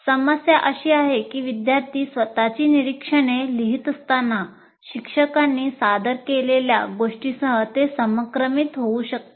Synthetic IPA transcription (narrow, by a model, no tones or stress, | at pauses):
səməsjaʔəɕiːaɦekiːʋid̪jaɾt̪iːsʋət̪at͡ɕiːniɾikʂəɽ̃eliɦit̪əst̪anːa | ɕikʂəkanːiːsad̪əɾkelelja̰ɡoʂʈisəɦət̪esəməkɾəmit̪ɦouɕək̚t̪e